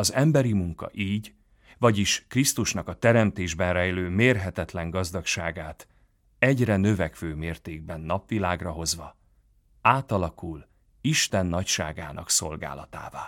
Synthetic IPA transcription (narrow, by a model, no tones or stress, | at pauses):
ɒzɛmbɛɾimuŋkɒ̰ʔiːɟ | vɒɟiʃkrist̪uʃnɒkɒt̪ɛɾɛmt̪eːʒbɛnrɛjløːmeːrɦɛt̪ɛt̪lɛŋɡɒzd̪ɒkʃaːɡaːt̪ | ɛɟrɛnø̞vɛkʋøːmeːrt̪eːɡ̚bɛnːɒpʋilaːɡrɒɦo̞zʋɒ | aːt̪ɒlɒkul | iʃt̪ɛnːɒcʃa̰ːɡa̰ːnɒ̰kso̞lɡa̰ːlɒt̪a̰ːvaː